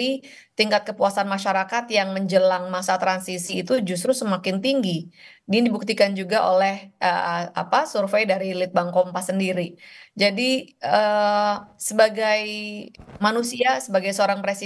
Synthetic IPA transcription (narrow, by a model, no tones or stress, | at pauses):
i | t̪iŋkat̪̚kəpuasanmaʃaɾakat̪jaŋməɲd͡ʒəlaŋmasat̪ɾansisiːt̪ud͡ʒus̬t̪ɾusəmakɪnt̪iŋɡi | ɡdibuk̚t̪ikand͡ʒuɡaʔo̰lɛhʔə̰a̰pasurfejdaɾilɪt̪̚baŋkɔmpasːəndiɾid͡ʒadiə | səbaɡaj | manusiasəbaɡajsəoɾaŋpɾesi